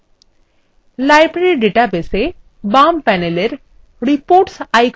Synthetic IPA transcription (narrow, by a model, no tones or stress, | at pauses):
lajbɾeɾiɖeʈabese | bampɛneleɾ | ɾipoːɾʈsajk